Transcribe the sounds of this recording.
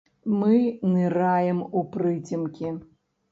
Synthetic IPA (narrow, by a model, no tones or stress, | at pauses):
mɨnɨrajɛmuprɨtʲʰimkʲʰi